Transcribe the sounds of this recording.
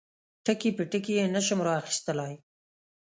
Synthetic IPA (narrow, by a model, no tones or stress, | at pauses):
ʈəkipəʈəkijenaʃʊmɾaaxi̥st̪əlaj